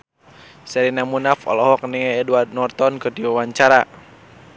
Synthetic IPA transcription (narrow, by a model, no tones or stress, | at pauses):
sɛɾinamunafɔ̰lɔɦɔk̚nɛŋɛːdwart̪̚nɔrt̪ɔnkɨrdiwawaɲt͡ʃaɾa